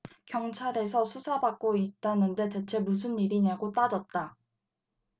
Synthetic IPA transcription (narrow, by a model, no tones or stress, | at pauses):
kjʌŋt͡ɕʰaɾe̞s̬ʰʌsʰusʰabak̚k͈oit̚t͈anɯnde̞te̞t͡ɕʰe̞mus̬ʰɯnːiɾiɲaɡot͈ad͡ʑʌt̚t͈a